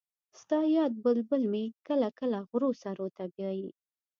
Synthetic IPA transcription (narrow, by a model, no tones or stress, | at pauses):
st̪ɑjɑd̪̚bəlbəlmekəlakəlaɣɾosaɾot̪abjɑji